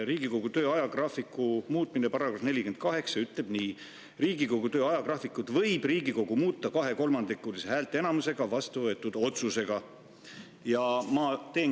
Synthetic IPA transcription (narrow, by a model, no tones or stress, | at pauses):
ɾiːɡiko̞ɡ̥ut̪øːɑjɑɡrɑfikːˑumuːt̪ˑminepɑrɾɑɡ̥rɑfne̞lʲike̞nd̪̥̚kɑɦe̞ksɑyt̪ˑle̞b̥ni | riːɡiko̞ɡ̥ut̪øːɑjɑɡrɑfikːˑud̪̥vɤ̞jb̥riːɡ̥iko̞ɡ̥umuːt̪ːˑɑkɑɦe̞ko̞lmɑnd̪ikːuːliseɦæːlt̪ːˑee̞nɑmuse̞ɡ̥ɑvɑst̪uvɤe̞t̪ːˑud̪̥o̞t̪suse̞ɡ̥ɑ | jɑmɑt̪e̞ː